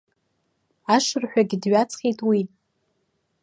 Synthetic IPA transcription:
aʂɨrħʷᶣaɡʲɪdɥat͡sʰχʲejtʼwi

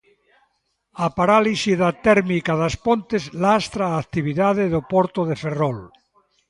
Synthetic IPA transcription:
apaɾalisiðat̪ɛɾmikaðaspont̪ezlast̪ɾaːk̚t̪iβiðaðeðopoɾt̪oðeferol

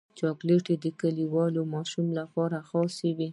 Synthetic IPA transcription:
t͡ʃɑkleʈed̪əkəliwɑlomɑʃumlapɑɾaxɑsəwi

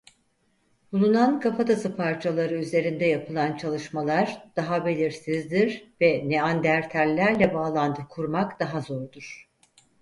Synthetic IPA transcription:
b̥ulˠunankʰafat̪ʰasɯpʰaɾt͡ʃʰalˠaɾɯyze̞ɾind̪ɛjapʰɯlˠant͡ʃʰalˠɯʃmalˠaɾd̪̥aɦabe̞lʲiɾsizd̪iɾvɛnɛand̪æɾt̪ʰælʲːæɾlʲɛbaːlˠand̪ʰɯkʰuɾmakd̪aɦazoɾd̪uɾ̥

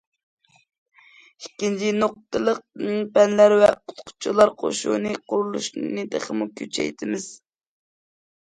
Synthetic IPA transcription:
ikʲːint͡ʃʰinoq̚t̪ʰɨlˠəq̚mɨŋpɛnlæɾwɛ̰qʰʊ̥t̪qʰʊ̥t͡ʃʰulˠɑɾqʰo̰ʃṵnɨqʰʊɾulˠṵʃnɨd̪ḛχəmukʲʰøt͡ʃʰɛ̰jt̪ʰɪmɪz̥

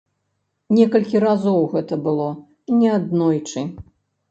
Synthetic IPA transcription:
nʲɛkɐlʲkʲiɾazɔwɣɛt̪ɐbɨlˠɔ | nʲɛad̪nɔjt͡ʂɨ

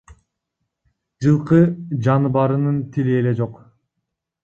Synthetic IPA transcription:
d͡ʒɯlˠqɯd͡ʒɑnɯbɑɾɯnɯnt̪ʰiliele̞d͡ʒo̞q

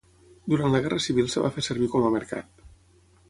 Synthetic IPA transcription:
d̪uɾant̪ləɣɛrəsiβilˠsəβa̰fesəɾβ̞ikɔməməɾka̰t̪

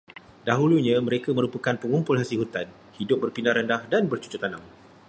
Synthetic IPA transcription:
daɦuluɲãmə̃ɾekamə̃ɾupakanpəŋumpʊlɦasilɦut̪an | hidʊp̚bərpindaɾəndahdanbərt͡ʃu̥t͡ʃʊt̪anãŋ

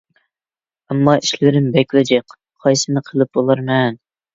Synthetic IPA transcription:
ɛmːɑʔiʃlɪɾɪmbɛkʲlɪd͡ʒɛq | qʰɑjsɨnɨqʰəlˠɨp̚bolˠɑɾmɛn

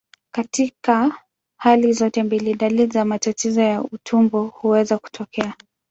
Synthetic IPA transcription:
katika | halizɔtɛmbiliɗalizamatatɛzɔjautʰumbɔhuwɛzaku̥tʰɔkɛa

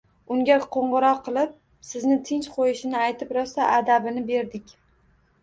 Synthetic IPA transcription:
ʊŋʲaqʰoɴʁɨɾɒqʰːɨlˠɪp̚ | sɪznɪt̪ʰɪnt͡ʃqʰojɪʃɪnɪajt̪ʰɪpɾɒst̪aʔad̪abɪnɪbe̞ɾd̪ɪkʲ

